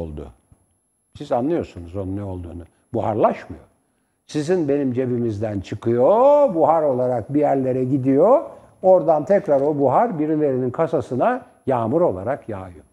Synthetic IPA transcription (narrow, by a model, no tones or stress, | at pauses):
o̰lˠd̪ʊ̰ | sizanlˠɯjo̞sunuzo̞nunɛo̞lˠd̪ṵːnu | buɦa̰ɾlˠaʃmɯ̰jo̞̰ | sizinbe̞nimd͡ʒe̞bimizd̪ænt͡ʃʰɯkʰɯjo̞buɦaɾo̞lˠaɾak̚bijæɾlʲe̞ɾɛɟid̪ijo̞ | oɾd̪ant̪ʰɛcɾaɾo̞buɦaɾbiɾilʲe̞ɾininkʰasasɯna | jaːmɯɾo̞lˠaɾakja̰ːjo